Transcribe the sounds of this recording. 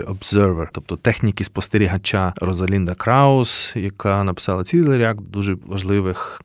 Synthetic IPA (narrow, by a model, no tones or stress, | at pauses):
ɔbzɛrʋɛrt̪ɔp̚t̪ɔt̪ɛxnʲikʲispɔst̪eɾʲiɦɐt͡ʃaɾɔzɐlʲind̪ɐkɾɑɔsjɐkʰɑnɐpɪ̥sɑlˠɐt͡sʲilˠeɾʲjakd̪uʒɛʋɐʒlˠɪʋɪx